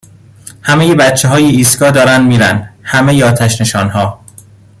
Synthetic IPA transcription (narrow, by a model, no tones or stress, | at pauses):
hæmejebæt̪t͡ʃʰːeɦɒːjeiːsɡɒːd̪ɒːɾænd̪miːɾæ̰nd̪hæmejeɒːt̪ʰæʃne̞ʃɒːnhɒː